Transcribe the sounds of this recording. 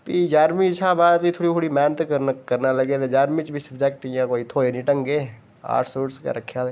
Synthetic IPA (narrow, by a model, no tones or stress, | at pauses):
piːd͡ʒaːɾmiːt͡ʃʰaːbaːd̪pit̪ʰoːɽiːkʰoːɽiːmɛːnət̪kəkəɾnaːləɡeːt̪ed͡ʒaːɾmiːt͡ʃbʱiːsəbd͡ʒɛːk̚ʈɪjãːkoːiːt̪ʰoːeːnĩːʈəŋɡeː | a̰ːʈʰsoːʈska̰ɾəkʰːjaːd̪eː